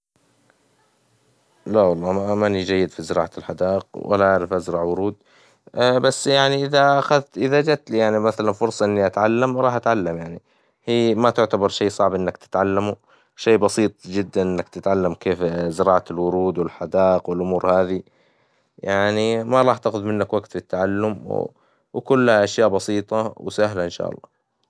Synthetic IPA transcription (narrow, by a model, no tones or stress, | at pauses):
lawɑlˤːɑːmamanid͡ʒajːɪd̪fizɪɾɑ̰ːʕalħad̪ɑːʔɪq̚wa̰laʔaʕɾɪfʔazɾˤɑʕwʊɾuːd̪ | basːjaʕniʔɪðaaxaðt̪ʔɪðad͡ʒat̪lijaʕnimaθalanfʊɾsˤɑʔɪnːiʔat̪ʕalːamɾˤɑːħʔat̪ʕalːamjaʕni | hiːmat̪ʊʕt̪abɑɾˤʃeːsˤɑʕbʔɪnːakt̪ɪ̥t̪ʕalːamu | ʃeːbɑsˤiːt̪ˤd͡ʒɪd̪ːanʔɪnːakt̪ɪt̪ʕalːamkeːfzɪɾɑːʕaɪlwʊɾuːd̪wɪlħad̪ɑːʔɪqwɪlʔʊmuːɾhaːði | jaʕnimaɾˤɑːħt̪aqʊd̪mɪnːakwaɡt̪fɪt̪ːaʕalːʊmw̰ | wkʊlːhaʔaʃjaːʔbɑsiːt̪ˤɑwsaɦlaʔɪnʃa̰ːʔɑ̰lˤːɑ̰ː